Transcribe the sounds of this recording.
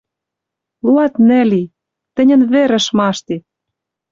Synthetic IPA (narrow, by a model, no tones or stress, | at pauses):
luɑt̪nɘ̆li | t̪ɘ̆nʲɘ̆nβeɾɘ̆ʃmɑʃt̪i